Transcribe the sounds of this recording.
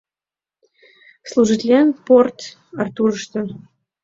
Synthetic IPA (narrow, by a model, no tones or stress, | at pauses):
slˠuʒit̪ʲlʲenport̪ | ɑrt̪urəʃt̪ŏ